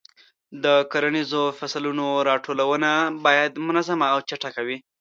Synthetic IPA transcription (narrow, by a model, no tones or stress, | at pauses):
d̪əkoɾanizofaslunoɾɑʈʰolawənabɑjad̪mʊnazamaːwt͡ʃaʈakawi